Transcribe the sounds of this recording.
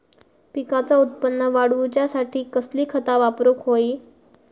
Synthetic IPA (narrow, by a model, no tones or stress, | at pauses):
pikat͡saut̪̚pənːəʋaɽʋut͡ɕjasaʈʰiːkəsliːkʰət̪aʋapɾokɦoi